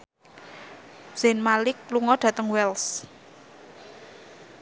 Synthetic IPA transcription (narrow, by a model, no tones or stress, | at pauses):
z̥ɛnmalɪk̚luŋɔɖ̥ä̤t̪əŋwɛls